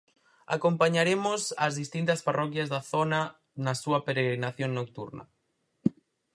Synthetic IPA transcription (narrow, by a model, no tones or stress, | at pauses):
a̰kompaɲaɾemosazðist̪int̪ɐsparɔkjazðaθona | nasuapeɾeɣɾinaθjoŋnok̚t̪uɾna̰